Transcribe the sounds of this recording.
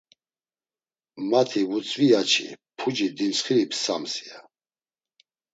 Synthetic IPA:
mat̪ʰivut͡sʼviat͡ʃʰḭpʰud͡ʒid̪insχiɾipʰsa̰msia

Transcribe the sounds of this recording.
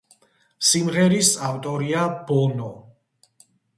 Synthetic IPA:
simʁɛɾisaft̪ʼɔɾiabɔnɔ

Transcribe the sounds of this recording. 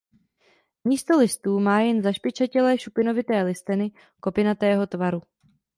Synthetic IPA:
miːst̪o̞lɪst̪uːmaːjɛnzaʃpɪt͡ʃacɛlɛːʃupɪno̞vɪt̪ɛːlɪst̪ɪnɪ | ko̞pɪnat̪ɛːɦo̞t̪vaɾu

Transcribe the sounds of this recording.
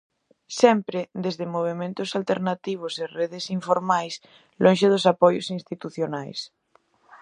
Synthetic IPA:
sɛmpɾɪd̪ezðemoβ̞emẽnt̪ʊsalt̪eɾnat̪iβ̞ʊsereðɪsiɱfoɾmajs | lõnʃeðʊsapɔjo̰sinst̪it̪uθjonajs

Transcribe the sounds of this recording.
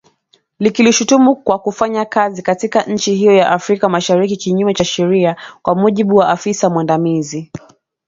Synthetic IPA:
likiliʃutumukwakufaɲakazikatikaʔɲ̩t͡ʃihijɔjaʔafɾikamaʃaɾikikiɲumɛt͡ʃaʃɛɾiakwamuʄiɓuwaʔafisamwandamizi

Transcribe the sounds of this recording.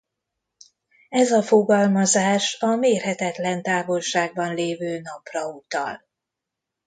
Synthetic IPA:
ɛzɒfo̞ɡɒlmɒzaːʃɒmeːrɦɛt̪ɛt̪lɛnt̪aːvo̞lʃaːɡ̚bɒnleːvøːnɒprɒut̪ɒ̰l

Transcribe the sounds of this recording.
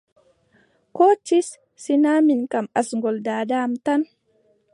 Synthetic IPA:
kot͡ʃːisː | inaminkamasŋɡɔldaːdamt̪an

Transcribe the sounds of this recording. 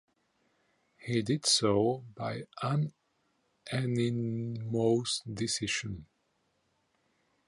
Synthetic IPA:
hidɪd̥soʊbaɪʔə̃n | ʔɛnimoʊsdɪsɪʃɨ̃n

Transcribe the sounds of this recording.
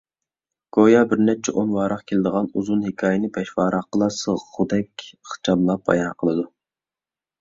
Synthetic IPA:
ɡ̥ojɑbɪɾnɛp̚t͡ʃʰɛʔonwɑːɾɑqkʲʰelɪd̪əʁɑnuzunhikʰɑːjɪnɨbɛʃwɑːɾɑqəlˠɑsəʁʁud̪ɛkʲχt͡ʃʰɑmlˠɑp̚ɑ̰jɑnqʰəlˠɨd̪u

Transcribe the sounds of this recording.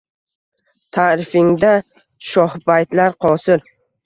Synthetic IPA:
t̪ʰaːɾɪfɪŋd̪a | ʃɒhbajt̪laɾqʰɒsɪɾ

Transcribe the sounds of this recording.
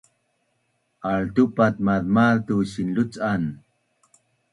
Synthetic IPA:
aɭtupat̪̚maðmaðt̪uɕinlut͡san

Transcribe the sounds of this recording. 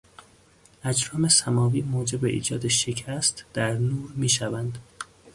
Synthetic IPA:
ʔæd͡ʒɾɒːme̞sæmɒːviːmoːd͡ʒe̞be̞̰ʔḭːd͡ʒɒːd̪eʃecʰæst̪d̪̥æɾnuːɾmiːʃævænd̪̥

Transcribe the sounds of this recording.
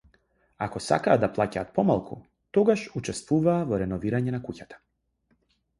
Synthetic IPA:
a̰kɔsa̰kaːd̪d̪aplˠaca̰ːt̪̚pɔmalˠkṵ | t̪ɔɡaʃut͡ʃɛst̪vuvaːvɔɾɛnɔviɾaɲɛnakucat̪ḁ

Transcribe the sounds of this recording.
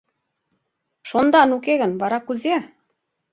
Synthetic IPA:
ʃond̪ɑnukeɣə̆nβɑɾɑkuze

